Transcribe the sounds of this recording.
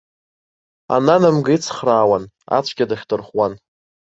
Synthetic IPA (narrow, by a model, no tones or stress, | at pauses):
a̰nanamɡɨit͡sʰχraːwan | a̰t͡ʃʷʰɡʲadaχʲdɨrχwan